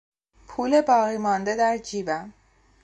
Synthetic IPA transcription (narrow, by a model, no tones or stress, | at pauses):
pʰuːle̞bɒːɣiːmɒːnd̪e̞d̪æɾd͡ʒiːbæm